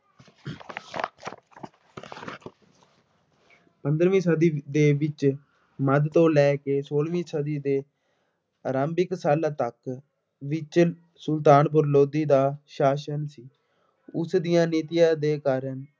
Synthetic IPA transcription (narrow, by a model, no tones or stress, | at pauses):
pənd̪ɾʋĩːsəd̪iːd̪eːʋɪt͡ʃ | məd̪t̪õːlɛːkeːsoːlʋĩːsəd̪iːd̪eː | ɾãːmbɪksaːlaːt̪ək | ʋɪt͡ʃ | sʊlt̪aːnbʊɾloːd̪iːd̪aːʃaːʃənsiː | ʊsd̪ijãːneːt̪ɪjãːd̪eːkaːɾən